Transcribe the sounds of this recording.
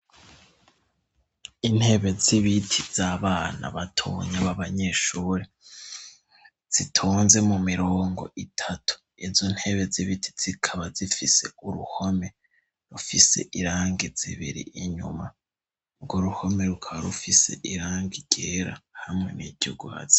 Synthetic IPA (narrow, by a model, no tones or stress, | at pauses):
in̥he̞βe̞ziβitʰiz̥aːβaːna̰βatʰoɲaβaβaɲeʃuːɾe | z̥itʰoːnze̞mumiɾo̞ːŋɡo̞̰ʔitʰatʰu̥ | izon̥he̞βe̞ziβitʰi̥z̥ikʰaβazifise̞uɾuho̞me̞ | ɾufise̞̰ʔiɾaːŋɡiz̥ḭβḭɾḭʔiɲṵma | uɾɡoɾuho̞me̞ɾukʰaβaɾufise̞̰ʔiɾaːŋɡiɟe̞ɾa̰hamŋe̞̰niɟ̥uuɡuha̰zi̥